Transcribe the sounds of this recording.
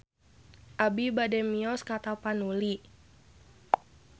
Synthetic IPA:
ʔabibadɛmiɔskat̪apanuli

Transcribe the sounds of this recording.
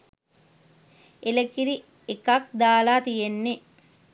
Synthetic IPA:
eləkiɾi | ekɐk̚d̪aːlaːt̪ijenːe

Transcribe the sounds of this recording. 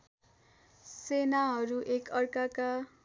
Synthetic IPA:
senaɦʌɾuʔekʌrkaka

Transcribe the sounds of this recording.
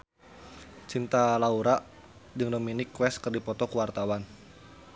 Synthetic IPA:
t͡ʃint̪alauɾaʔ | d͡ʒɨŋdominɪkːwɛskərdipɔt̪ɔkuwart̪awan

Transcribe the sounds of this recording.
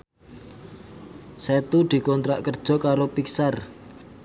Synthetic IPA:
set̪ud̪̥i̤kɔnt̪ɾaʔkərd̥ʒ̥ɔ̤kaɾopiksar

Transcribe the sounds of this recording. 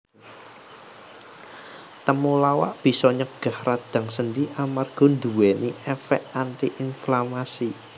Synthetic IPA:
t̪əmulawa̰ʔb̥i̤sɔɲəɡ̥a̤hrad̪̥ä̤ŋsənd̪iʔamarɡ̥ɔ̤nd̪uwɛniʔɛfɛ̰ʔant̪iʔinflamasi

